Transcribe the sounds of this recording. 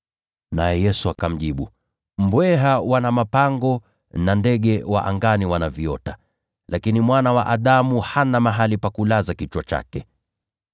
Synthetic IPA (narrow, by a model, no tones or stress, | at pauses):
najɛjɛsuakam̩ʄiɓu | m̩bwɛɦawanamapaŋɡɔ | nandɛɠɛwa̰ʔa̰ŋɡaniwanaviɔta | lakinimwanawa̰ʔaɗamuhanamaɦalipakulazakit͡ʃwat͡ʃa̰kɛ